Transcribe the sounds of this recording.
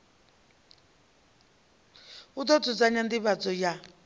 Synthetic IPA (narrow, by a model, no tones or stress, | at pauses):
ut̪ɔt͡sʰɔt͡saɲand̪iβat͡sɔja